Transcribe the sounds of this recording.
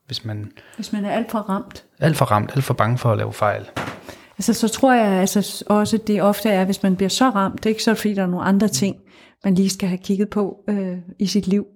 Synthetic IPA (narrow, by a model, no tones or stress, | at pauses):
ʋe̝smænʋe̝smænæɐæl̰d̥fɒ̽ʁɑ̈m̰d̥ | æl̰d̥fɒ̽ʁɑ̈m̰d̥æl̰d̥fɒ̽b̥ɑ̈ŋəfɒ̽ælɛ̰ːʊfɑ̈ɪ̰l | ælsəsɒ̽t͡sʰʁo̝ɐ̰jɑ̈ɪælsəʔɒ̽səd̥e̝ɒ̽fd̥əæɐʋe̝smænb̥liɐsɒ̽ʁɑ̈m̰d̥e̝ɡ̥əsɒ̽e̥fd̥ḭːd̥ɑno̝ːn̩ɑ̈nd̥ʁɐt͡sʰe̝ŋ̰ | mænliːsɡ̥æɦækʰiɡ̥ð̞̩ˠpʰɒ̽øisid̥liʊ̰